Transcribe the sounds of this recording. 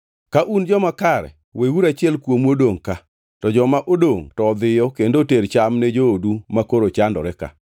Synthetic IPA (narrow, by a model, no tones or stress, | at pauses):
kaʔund͡ʒɔmakaɾɛ̰ | wʔewuɾat͡ʃɪɛlkwomwodoŋka | tɔd͡ʒɔmaʔodoŋtɔd̪ɪjɔkendoteɾt͡ʃamnɛd͡ʒoːdumakoɾot͡ʃandɔ̰ɾɛka̰